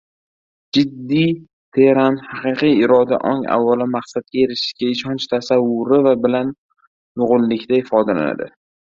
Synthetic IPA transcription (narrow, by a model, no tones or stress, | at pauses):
d͡ʒɪd̪ːi | t̪ʰeɾanhɑqɨqɨjɪɾɒd̪a̰ʔɒŋa̰vːalɪmaqsat̪̚kʲajeɾɪʃɪ̥ʃɡʲaɪʃɒnt͡ʃt̪ʰasavːʊɾɪvabɪlan | jʊʁʊlːɪkʲt̪ʰaɪfɒd̪ala̰na̰d̪ɪ̰